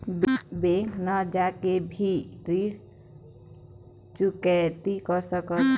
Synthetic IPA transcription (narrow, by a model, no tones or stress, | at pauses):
bbẽŋknəd͡ʒakebʱiɾiɾ | t͡ʃukɛt̪ikəɾsəkət̪